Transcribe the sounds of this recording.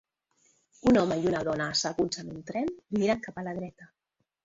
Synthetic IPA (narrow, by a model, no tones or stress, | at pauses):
unɔmaiunaðɔnaːsaɣunzanunt̪ɾɛnmiɾaŋkapalaðɾɛt̪a